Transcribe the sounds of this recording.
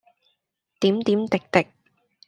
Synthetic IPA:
t̪iː˨˥mt̪iː˨˥mt̪ɪ˨k̚t̪ɪ˨k̚

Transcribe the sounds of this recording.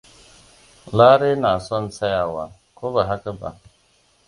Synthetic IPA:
laː˦ɾe˦na˨sɔ˦n̩˦sa˦ja˨wa˨ | ko˦ba˨ɦa˦ka˦ba̰˨

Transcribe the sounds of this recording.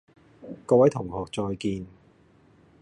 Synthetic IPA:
kɔː˧wɐ˨˥jt̪ʰʊ˨˩ŋhɔː˨˩k̚t͡sɔː˧jkiː˧n

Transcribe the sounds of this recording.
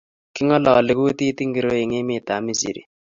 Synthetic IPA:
kɪ˦ŋɔ˦lɔ˨lɪ˨ku˦ti˦ti˦ŋɡi˨ɾo˦i˨ŋe˦mɪ˦˨ta˨mi˦sḭ˨ɾḭ˨

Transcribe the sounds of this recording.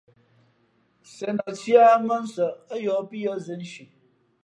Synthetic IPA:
sɛ˨nɔ˨t͡sja˦mə˦n̩˦sə˨ə˦jɔ˨˦pi˦jɔ˦zɨ˨n̩˦ʃi˨

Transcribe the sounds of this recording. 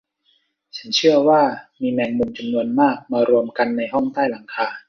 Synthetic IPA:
t͡ɕʰa˦nt͡ɕʰɯ˥˩ɐwaː˥˩miː˧nɛː˧ŋmu˧nt͡ɕa˧mnu˧ənmaː˥˩k̚maː˧ɾu˧əmka˧nːa˧jɦɔ˥˩ŋt̪aː˥˩jla˩˦ŋkʰaː˧

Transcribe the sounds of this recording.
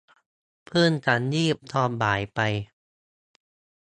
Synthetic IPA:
pʰɯː˥˩nka˧njiː˥˩p̚t̪ʰɔː˥˩p̚baː˨˩˦jpa˧j

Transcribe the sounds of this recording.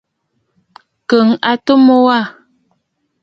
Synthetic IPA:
kə˨ŋa˨to˦mo˦wa˦˨

